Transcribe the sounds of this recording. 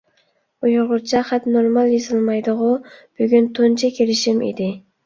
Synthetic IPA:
ujʊʁʊɾt͡ʃʰɛχæt̪noɾmɑlˠjezɨlˠmɑjd̪əʁʊb̥yɡʲynt̪ʰont͡ʃʰɛkʲʰelɪʃimḭd̪ɪ

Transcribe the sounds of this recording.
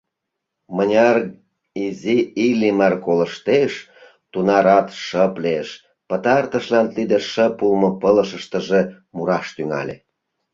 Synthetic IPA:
mənʲɑr | iziilʲimɑrkoləʃt̪eʃ | t̪unɑɾɑt̪ʃəpleʃ | pət̪ɑrt̪əʃlɑnt̪lid̪əʃəpulmə̆pələʃəʃt̪ə̆ʒe | muɾɑʃt̪yŋɑ̰lʲḛ

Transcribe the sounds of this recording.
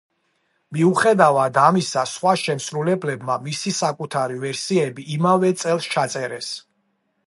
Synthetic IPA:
miuχɛd̪avad̪amisasχwaʃɛmsɾulɛblɛbmamisisakʼut̪ʰaɾivɛɾsiɛbiʔːmavɛt̪sʼɛlˠst͡ʃʰat̪sʼɛɾɛs

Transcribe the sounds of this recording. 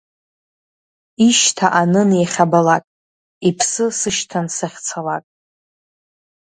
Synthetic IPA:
iʃtʰaʔanɨnejχʲabalakʼ | ipʰsɨsɨʃtʰansaχʲt͡sʰalakʼ

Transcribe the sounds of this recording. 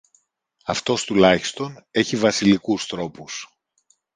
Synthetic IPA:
ɐft̪o̞st̪ulɐçi̥st̪o̞ne̞çivɐsilikust̪ɾo̞pus

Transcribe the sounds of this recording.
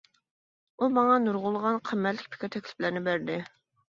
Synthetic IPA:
umɑŋɑnuɾʁʊlˠʁɑnqʰæmːælːɪk̚ʲpʰi̥kʲɑt̪ʰɛkʲlɪ̥plæɾnɪbæɾd̪ɪ

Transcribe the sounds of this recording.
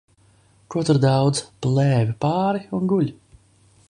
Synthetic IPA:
kuɔt̪uɾd̪awd̪zplˠɛːvipaːɾiunɡuʎʲ

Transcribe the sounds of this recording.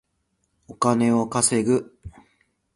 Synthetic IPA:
o̞kane̞o̞kase̞ɡɯ̟

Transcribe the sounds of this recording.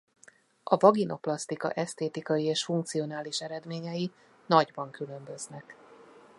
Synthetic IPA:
ʔɒvɒɡino̞plɒst̪ikɒ̰ʔɛst̪eːt̪ikɒjieːʃfuŋk̚t̪sio̞naːliʃɛɾɛd̪meːɲɛji | nɒɟbɒŋkylø̞mbø̞znɛk

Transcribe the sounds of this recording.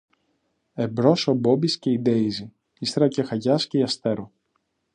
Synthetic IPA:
e̞bɾo̞sobo̞bisce̞id̪eizi | ist̪ɾɐcexɐʝɐsceiɐst̪e̞ɾo

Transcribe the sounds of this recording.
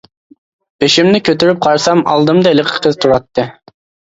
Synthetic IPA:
pʰeʃimnɪkʲʰøt̪yɾyp̚qʰɑɾsɑmɑ̰lˠd̪ɨmd̪ɑelɪqʰə̥qʰəzt̪ʰuɾɑt̪ːɨ

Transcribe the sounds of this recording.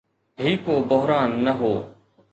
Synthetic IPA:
ɦiːkoːbəɦɾaːnːəɦoː

